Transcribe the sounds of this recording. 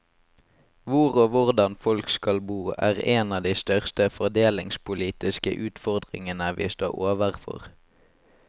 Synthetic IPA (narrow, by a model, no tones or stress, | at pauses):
ʋʊʁoːʋʊʁd̪ɑnfɔlkskɑlbuːæ̰ːʁeːnɑːd̪iːst̪œʁst̪əfɔʁd̪eːlɪŋspʊliːt̪ɪskə̰ʔʉːt̪fɔʁd̪ʁɪ̰ŋənəʋḭːst̪o̰ːʁoːʋəʁfɔ̰ʁ